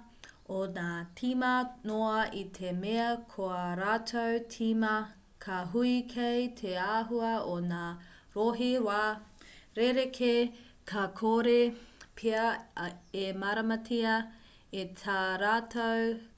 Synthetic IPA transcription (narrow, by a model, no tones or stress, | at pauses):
onaːtʰimɐnoɐitʰemeɐkʰoɐɾaːtʰowtʰimɐ | kʰɐɦuikʰejtʰeaːɦuɐonaː | ɾoɦiɾwaːɾeɾekʰe | kʰɐkʰoɾepʰeɐ | emɐɾɐmɐtʰiɐ | etʰaːɾaːtʰow